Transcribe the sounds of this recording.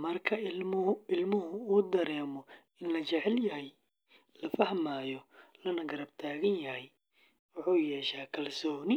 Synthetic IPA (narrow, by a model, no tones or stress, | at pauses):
mɐrkʰɐ | ɪlmʊɦʊuːd̪ɐɾɛːmɔ | ɪnlɐt͡ʃɛʕɛljɐɦɛj | lɐfɐhmaːjɔlɐnɐɡɐɾɐb̚t̪ʰaːɣɐnjɐɦɛj | wʊħuːjɛːʃaːkʰɐlsɔːnɪ